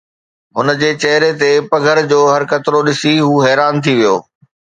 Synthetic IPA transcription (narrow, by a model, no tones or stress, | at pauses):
ɦʊnə̆d͡ʑeːt͡ɕɐɦɾet̪epɐɡʱəɾd͡ʑoːɦɐɾkɐt̪ɪɾoɗɪsiɦuːɦɛːɾaːnt̪ʰiʋijoː